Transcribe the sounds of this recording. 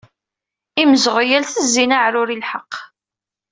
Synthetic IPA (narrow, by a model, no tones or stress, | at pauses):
iməzʁjælθəzːinaʕɾʊɾilħəqː